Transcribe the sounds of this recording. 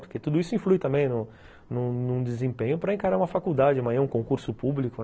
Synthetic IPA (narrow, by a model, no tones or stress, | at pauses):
poɾket̪ud̪ʊisʊĩflujt̪ɐ̃mbẽj̃nʊ̃ | nʊ̃nũd̪ɪzẽpẽɲʊpɾɐẽkaɾaũmɐfakuwd̪ad͡ʒɪmɐ̃ɛũkõkuɾsʊpublikʊ